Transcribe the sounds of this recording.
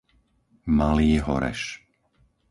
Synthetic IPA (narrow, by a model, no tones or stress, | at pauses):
maliːɦɔ̰ɾɛ̰ʃ